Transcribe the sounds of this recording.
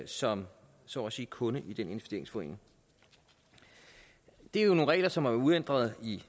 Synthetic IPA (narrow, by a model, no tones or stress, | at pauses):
sɒ̽m | sɒ̰ːsiːkʰɔ̽nəʔid̥ene̝nʋefsd̥e̝ɐ̰e̝ŋsfɒ̽ḛːneŋ | d̥e̝æjo̝no̝ːnʁɛ̰ːlɐsɒ̽mæɐuðˠen̰d̥ʁɐð̞̩ˠi